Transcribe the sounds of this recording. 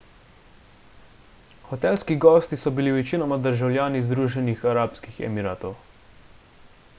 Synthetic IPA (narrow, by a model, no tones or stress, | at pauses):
xɔt̪ɛlskiɡɔːst̪isɔbiliʋɛt͡ʃinɔmad̪əɾʒawlʲjaːnizd̪ɾuːʒɛnixaɾaːpskixɛ̰miɾaːt̪ɔw